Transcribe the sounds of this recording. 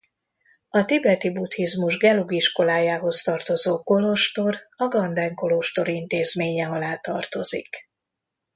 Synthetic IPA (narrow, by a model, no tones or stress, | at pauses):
ɒt̪ibɛt̪ibut̪hizmuʒɡɛluɡiʃko̞laːjaːɦo̞st̪ɒrt̪o̞zoːko̞lo̞ʃt̪o̞rɒɡɒnd̪ɛŋko̞lo̞ʃt̪o̞ɾint̪eːzmeːɲɛɒlaːt̪ɒrt̪o̞zḭk